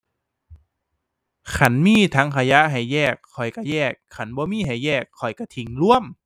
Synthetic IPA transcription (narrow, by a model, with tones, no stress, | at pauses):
kʰa˧˩˦nmiː˧˥˩t̪ʰa˦˥ŋkʰa˧ja˦˥ɦa˨˩jːɛː˧˩kʰːɔ˨˩jka˧˩jɛː˧˩kʰːa˧˩˦nbɔː˧˦miː˧˥˨ɦa˨˩jːɛː˧˩kʰːɔ˨˩jka˧˩t̪ʰi˨˩˦ŋlu˧˥˨əm